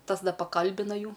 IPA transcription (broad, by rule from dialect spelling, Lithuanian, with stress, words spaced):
ˈtɐs ˈdɐ pɐˈkɐlʲbʲɪnɐ ˈjuː